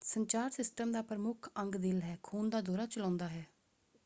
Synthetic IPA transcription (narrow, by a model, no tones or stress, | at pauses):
səɲt͡ʃaːɾsɪsʈəmd̪aːpɾəmʊkʰəŋɡd̪ɪlɦɛːkʰuːnd̪aːd̪oːɾaːt͡ʃəlãːnd̪aːɦɛː